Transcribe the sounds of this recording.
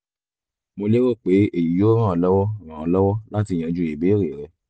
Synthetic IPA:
mo˧le˦ɾo˦˨k͡pe˨˦e˦˨ji˨jo˦ɾ̃ã˦˨ɔ˧lɔ˦wɔ˦˨ɾ̃ã˨ɔ˧lɔ˦wɔ˦la˦ti˧˨j̃ã˨˧d͡ʒu˦˨e˨be˨˦ɾe˨ɾɛ˧

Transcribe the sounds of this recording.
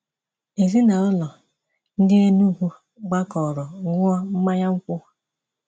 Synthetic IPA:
e˨zi˦na˨ɔ˦lɔ˨ | n̩˦dɪ˦e˦nu˦ɦu˦ | ɡ͡ba˦kɔ˨ɾɔ˨ŋʷ˦ɔ˦m̩˦ma˦ɲa˦ŋ͡m̩˦kʷʊ˦

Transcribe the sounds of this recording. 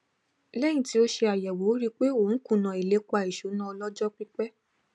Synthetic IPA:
lɛ˦j̃ĩ˨ti˦o˦ʃe˧a˨jɛ˨wo˨˦ɾi˦k͡pe˦o˨n̩˦kũ˦˨nã˨i˨le˨˦k͡pa˧˨i˨ʃo˨˦nã˦ɔ˧lɔ˦d͡ʒɔ˦k͡pi˦k͡pɛ˦

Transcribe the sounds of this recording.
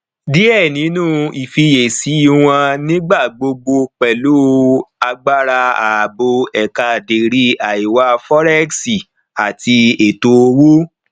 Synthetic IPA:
di˦ɛ˦˨nĩ˨˦nũ˦˨i˨fi˧je˨si˨˦i˦w̃ã˧nĩ˦ɡ͡ba˦˨ɡ͡bo˧ɡ͡bo˧k͡pɛ˨lo˦a˧ɡ͡ba˦ɾa˧a˨bo˧ɛ˨ka˧˨de˨ɾi˦a˨i˨wa˧˦fɔ˦ɾɛ˦ksi˨ | a˨ti˧e˨to˧wo˦

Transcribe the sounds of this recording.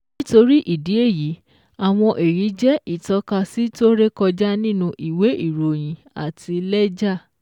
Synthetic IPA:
nĩ˦to˧ɾi˦ʔi˦˨di˨˦e˦˨ji˨˦ | a˨w̃ɔ̃˧ʔe˨ɾi˨˦d͡ʒɛ˦ʔi˦˨tɔ˨˦ka˧si˦to˦ɾe˦kɔ˧d͡ʒa˦nĩ˦˨nũ˧ʔi˨we˨˦ʔi˦˨ɾo˨j̃ĩ˨˦ | a̰˨tʰi˧lɛ˦d͡ʒa˦˨

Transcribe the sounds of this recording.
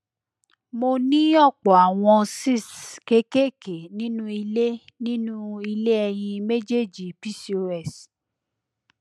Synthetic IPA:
mo˧nĩ˦ɔ˦˨k͡pɔ˨a˨w̃ɔ̃˧si˦˨ske˦ke˦˨ke˨nĩ˦nũ˦i˧le˦nĩ˦nũ˦i˧le˦ɛ˧j̃ĩ˧me˦d͡ʒe˦˨d͡ʒi˨pi˦so˧ɛ˦˨s

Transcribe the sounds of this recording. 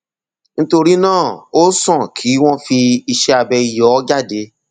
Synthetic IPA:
ñ̩˦to˧ɾi˦nãː˦˨o˦sɔ̃˦˨kʰi˨˦w̃ɔ̃˦fi˧i˧ʃɛ˧a˧bɛ˧i˧jɔ˨˦d͡ʒa˦˨de˨˦

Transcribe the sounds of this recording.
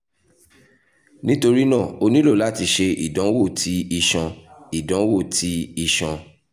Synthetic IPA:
nĩ˦to˧ɾi˦nãː˦˨o˧nĩ˦lo˦˨la˦˨ti˧ʃe˧ʔḭ˨dã˨˦wo˦˨ti˨˦i˧ʃã˧i˨dã˨˦wo˦˨tʰi˦i˧ʃã˧

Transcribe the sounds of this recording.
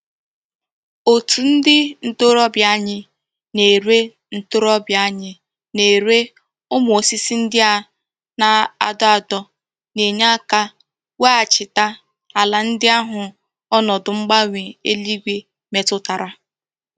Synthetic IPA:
o˨tu˨n̩˦dɪ˦n̩˦tʊ˦ɾɔ˦bja˦ɲɪ˦ | ne˨ɾe˦ | n̩˨tʊ˦ɾɔ˦bja˦ɲɪ˦ | ne˨ɾe˦ | ʊ˦m˨o˨si˦si˦n̩˦dɪ˦a˨ | na˨a˨dɔ˦a˨dɔ˦ | ne˨ɲa˦ka˦ | we˦a˨t͡ʃɪ˨ta˦ | a˨la˨n̩˦dɪ˦a˦ɦʊ˨ | ɔ˦nɔ˨dʊ˨ŋ͡m̩˦ɡ͡ba˦ŋʷe˨e˦li˦ɡʷe˦ | me˨tʊ˦ta˨ɾa˦

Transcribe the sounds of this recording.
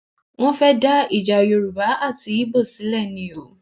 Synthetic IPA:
w̃ɔ̃˦fɛ˦da˦i˦˨d͡ʒa˨o˨jo˧ɾu˨ba˨˦a˦˨ti˨˧˦i˦bo˦˨si˨˦lɛ˦˨nĩ˨˦o˨

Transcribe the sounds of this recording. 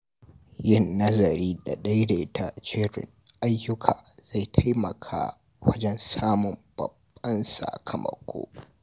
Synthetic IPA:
jɪ˦˨nːɐ˦zɐ˨ɾiː˦da˨ɗɐ˦jda˨ʔɪ˦tʰa˦t͡ʃeː˦ɾʊ̰˨ŋ | ʔa˦jːʊ˦kʰaː˨z̥a˦˨jtʰa˦jmɐ˨kʰa̰ː˦ | wɐ˦d͡ʒɛ˦nsaː˦mʊ˨mb̥ɐ̰˨bːɐ˦nsa̰˨kʰɐ˨mɐ̰˨kʷʰo̰ː˦

